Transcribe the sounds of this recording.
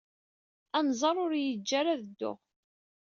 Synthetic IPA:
ænzˤɑɾˤʊɾjəd͡ʒːaɾaðəd̪ːʊ̰ʁ

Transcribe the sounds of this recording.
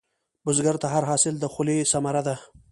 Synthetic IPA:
bʊzɡaɾt̪aɦaɾɦɑsɪld̪əxʊlesamaɾad̪a

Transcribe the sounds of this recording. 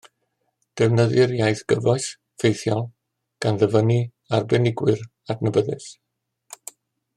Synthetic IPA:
d̥ɛvnəðɨɾjajθɡ̥əvɔɨs | fejθjɔlˠ | ɡ̥anðəvəni | arbɛnɪɡwɨr | adnəbəðɨs

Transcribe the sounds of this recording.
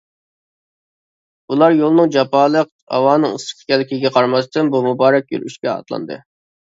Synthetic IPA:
ulˠɑɾjolˠnɨŋd͡ʒɑpɑːlˠəq | hɑ̰wɑːnɨŋɨsə̥qʲʰkʲʰɛlɪkʲiɡʲɛqʰɑɾmɑst̪ɨnbumubɑːɾɛk̚ʲjø̰lʔy̰ʃkʲɛɑ̰t̪lˠɑ̰nd̪ɨ̰

